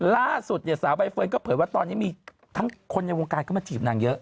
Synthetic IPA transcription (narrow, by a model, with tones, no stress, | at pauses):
laː˥˩su˨˩t̪̚ni˧˨˩saː˩˦wba˧jfɤː˧nkɔ˥˩pʰɤː˩˦jwa˥˩t̪ɔː˧nːiː˦˥miː˧ | t̪ʰa˦˥ŋkʰo˧nːa˧jwoː˧ŋkaː˧nkɔː˥˩ma˧t͡ɕʰiː˨˩p̚naː˧ŋjɤ˦˥ʔ